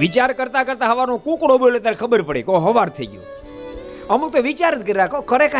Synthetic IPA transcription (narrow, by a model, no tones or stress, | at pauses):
ʋɪt͡ʃaɾkəɾt̪akəɾt̪aɦəʋanõkũkɽobolet̪aɾekʰəbəɾpəɽekoɦəʋaɾt̪ʰəiɡjõ̰ | əmuk̚t̪oʋit͡ʃaɾət̪kəɾiɾakʰokəɾeka